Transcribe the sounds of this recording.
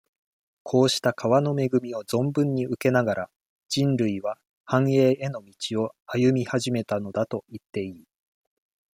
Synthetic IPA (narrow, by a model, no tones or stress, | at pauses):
kʰo̞ːɕi̥t̪akʰaβano̞me̞ɡɯ̟mʲio̞zõ̞mbɯ̟̃ɲ̟ːiɯ̟ke̞naɡaɾʔa | d͡ʑ̥ĩnɾɯ̟iβa | hãɰ̃e̞ːe̞no̞mʲit͡ɕio̞ajɯ̟mʲihaʑime̞t̪ano̞d̪at̪o̞it̪ːe̞iː